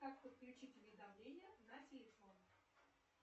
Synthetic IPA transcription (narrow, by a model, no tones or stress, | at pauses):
kakpət̪̚klʲʉt͡ɕitʲʊvʲɪd̪ɐmlʲenʲɪjənatʲelʲɪfonə